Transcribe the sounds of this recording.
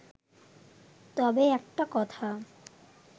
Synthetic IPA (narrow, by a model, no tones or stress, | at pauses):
t̪ɔbeɛk̚ʈakɔt̪ʰa